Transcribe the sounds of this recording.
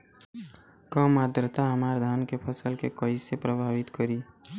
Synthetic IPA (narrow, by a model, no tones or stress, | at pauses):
kəmaːd̪ɾət̪aɦəmaːɾd̪ʱaːnkepʰəsəlkekəisepɾəbʱaːʋɪt̪kəɾiː